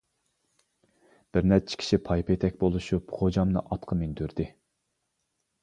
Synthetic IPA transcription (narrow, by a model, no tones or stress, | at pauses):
b̥ɪɾnɛt͡ʃʰi̥kʲʰi̥ʃipʰɑjpʰɑjet̪ʰɛkʲbolˠuʃupχʰod͡ʒɑmnɨ̰ʔɑt̪qʰɑmend̪øɾd̪ɪ